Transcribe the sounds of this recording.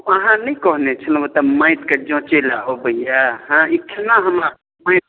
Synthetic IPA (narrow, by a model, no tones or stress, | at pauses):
əɦãnəjkɔɦnet͡ʃʰənbot̪əmãɪt̪ked͡ʒɔ̃t͡ʃelaobəɦijaɦãikʰinaɦəma | mãɪ